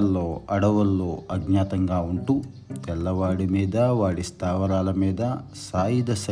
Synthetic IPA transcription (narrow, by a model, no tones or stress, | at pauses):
lːoːɐɽɐʋɐlːo̞ːɐɡɲaːt̪ɐŋɡaːuɳʈu | t̪ɛlːɐʋaːɽimiːd̪ɐʋaːɽist̪aːʋɐlaːlɐmiːd̪ɐsaːjid̪ɐsɐ